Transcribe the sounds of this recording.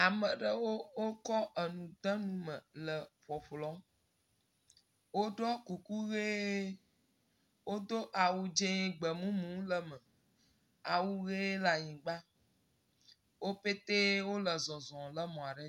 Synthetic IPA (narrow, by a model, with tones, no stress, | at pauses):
a˨mə˨ɖə˦wo˦wo˦kɔ˦ʔə˨nũ˨d̪ã˦nũ˦mə̃˨lə˨ɸɔ˨ɸlɔ˦m | wo˦ɖɔ˦ku˨ku˦ɣe˦ | wo˦d̪o˦ʔa˨wu˦d͡ʒẽ˦ɡ͡bə˨mũ˦mũ˨˦lə˦˨mə˨ | a˨wu˦ɣe˦la˨ɲĩ˨ɡ͡ba˦ | wo˦pe˦t̪e˦wo˦lə˨zɔ̃˨zɔ̃˨lə˦mɔ̃˨a˨ɖə˦